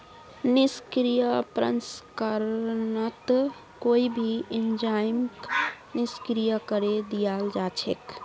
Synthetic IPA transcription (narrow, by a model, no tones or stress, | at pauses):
niskɾijəpɾə̰nskəɾnət̪ | koibʱiind͡ʒajmk | niskɾijəkəɾed̪ijald͡ʒat͡ʃʰḛk